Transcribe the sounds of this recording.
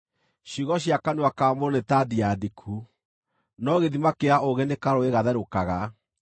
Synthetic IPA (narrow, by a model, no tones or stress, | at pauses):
ɕiɣɔɕiakanuakamoɾonetadiadikʰu | nɔɣeðimakeaoɣɛnekaɾoeɣaðɛɾokaɣa